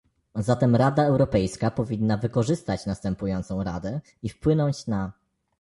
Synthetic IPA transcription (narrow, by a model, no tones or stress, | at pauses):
zat̪ɛmɾad̪aɛwɾɔpɛjskapɔvʲinːavɘkɔʐɘst̪at͡ɕnast̪ɛmpujɔnt̪sɔ̃w̃ɾa̰d̪ɛ | ifpwɘnɔɲt͡ɕna